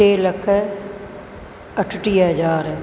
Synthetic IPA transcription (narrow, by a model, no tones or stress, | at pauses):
eːlɐkʰː | əʈʰːʈiːɦɐd͡ʒaːɾ